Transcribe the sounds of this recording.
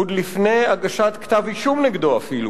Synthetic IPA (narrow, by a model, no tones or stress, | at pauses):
ud̪lifne̞jaɡaʃat̪kt̪avhiʃumneɡd̪oafilu